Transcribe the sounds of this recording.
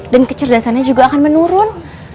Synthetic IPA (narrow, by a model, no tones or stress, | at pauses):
dankət͡ʃərdasanɲad͡ʒuɡaakanmənuɾʊn